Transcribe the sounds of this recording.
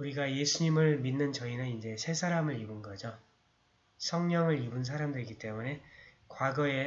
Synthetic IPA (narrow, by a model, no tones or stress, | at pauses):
uɾiɡaje̞sʰuɲimɯɭminːɯnt͡ɕʌinɯnind͡ʑe̞sʰe̞sʰaɾamɯɾibɯnɡʌd͡ʑo | sʰʌŋɲʌŋɯɭibuns̬ʰaɾamdɯɾiɡit͈e̞mune̞ | kwaɡʌe̞